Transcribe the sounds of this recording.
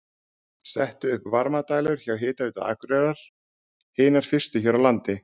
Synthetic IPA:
sɛht̪ʏʏhpvaɾmat̪aːjlʏɾ̥çawɦɪːt̪aʏːt̪aða̰ːkɾɛɾaɾ̥ | heːjnaɾ̥fɪr̥st̪ɪçɛɾawlant̪ɪ

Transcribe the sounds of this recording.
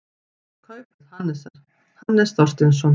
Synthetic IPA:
kʰœɥpʏðhanːɛsaɾ̥ | hanːɛsθɔr̥t̪ɪns̬ɔn

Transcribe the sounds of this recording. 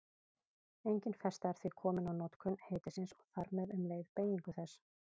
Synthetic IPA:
ejɲcɪnfɛst̪aɛɾ̥θvɪkʰɔːmɪnawnɔt̪kʰʏnheːjt̪ɪsɪnsɔɣθaɾmɛðʏmleːjðpeːjiŋkʏθɛs

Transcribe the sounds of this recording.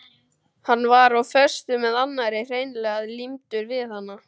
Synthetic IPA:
hanːvaɾawfœr̥st̪ʏmɛðanːaɾɪr̥ejnlɛːɣaðlimt̪ʏɾvɪðhanːa

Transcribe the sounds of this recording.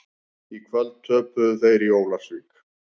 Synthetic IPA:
ikʰvɛltt̪ʰœːpʏθejɾiowlasvik

